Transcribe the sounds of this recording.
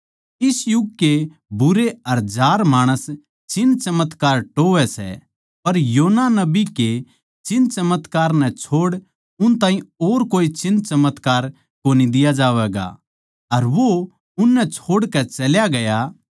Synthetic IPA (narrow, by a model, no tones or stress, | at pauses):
ɪsjʊɡke | bʊɾeɐɾd͡ʒaːɾmaːɽ̃əs | t͡ʃɪnːt͡ʃɐmət̪kaːɾʈoːʋɛsɛ̰ | pɐɾjoːnanɐbike | t͡ʃɪnt͡ʃɐmət̪kaːɾnɛt͡ʃʰoːɽ | ʊnt̪ãːɦĩoːɾkoːit͡ʃɪnːt͡ʃɐmət̪kaːɾ | koːnid̪ɪjad͡ʒaːʋɛːɡa̰ | ɐɾʋo | ʊnːɛt͡ʃʰoːɽkɛt͡ʃɐljaɡɐja